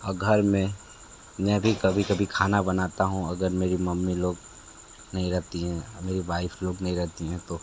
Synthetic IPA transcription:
ɐɡʱəɾmɛ̃ | mɛ̃bʱikɐbʱikɐbʱikʰaːnabɐnaːt̪aɦũɐɡəɾmeːɾimɐmːiloːɡ | nɐɦĩɾɛɦt̪iɦɛ̃meːɾiʋaːɪfloːɡnɐɦĩɾɛɦt̪iɦɛ̃t̪oː

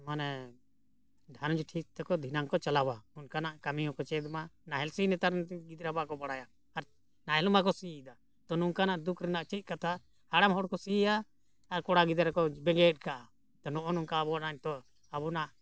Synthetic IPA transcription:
manɛ | ɖ̪ʱanud͡ʒʈʰik̚t̪ɛkɔd̪ʱinaŋkɔt͡ʃalabaunkanaʔkamiɔ̃kɔt͡ʃɛd̪manaɦɛlsinɛt̪aɾnɡid̪ɾabakɔbaɽajaː | ɾ | naɦɛlmak̬ɔsid̪a | t̪ɔnuŋkanaʔd̪ukʰɾɛnaʔt͡ʃit̪̚ˀkat̪ʰa | haɽamɦɔɽkɔsijaː | ɾkɔɽaɡid̪aɾakɔbɛɡɛt̚ˀkaʔa | t̪ɔnɔʔɔnɔŋkabɔanaɲt̪ɔ | aβɔnaʔ

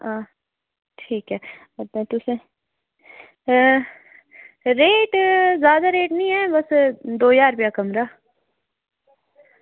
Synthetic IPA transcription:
ãː | ʈʰiːkɦɛː | t̪ːt̪ʊse | ɾeːʈzjaːd̪aɾeːʈnĩɛːbɐsd̪oːjaːɾpjaːkɐmɾaː

